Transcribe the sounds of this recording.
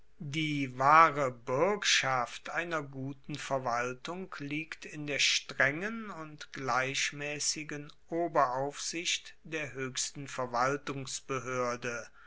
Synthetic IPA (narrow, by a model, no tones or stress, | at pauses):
diːvaːʁəbɪɐkʃaftʔaɪnɐɡuːtn̩fɛɐvaltʊŋkliːktɪndeːɐʃtʁ̥ɛŋənʊntɡ̥laɪʃmɛːsɪɡənʔoːbɐaʊfz̥ɪçtd̥eːɐɦøːçstn̩fɛɐvaltʊŋsb̥əɦøːɐdə